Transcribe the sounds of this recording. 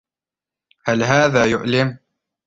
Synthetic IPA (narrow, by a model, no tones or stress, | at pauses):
halɦaːðaːjʊʔlɪm